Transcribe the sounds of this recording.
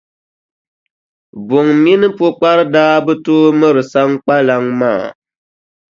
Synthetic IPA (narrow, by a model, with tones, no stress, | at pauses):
bʊ˨ŋmi˦nɨ˦po˦k͡pa˦ɾɨ˦daː˦bɨ˦toː˦mɨ˦ɾɨ˨sa˦ŋ˦k͡pa˦la˨ŋmaː˦˨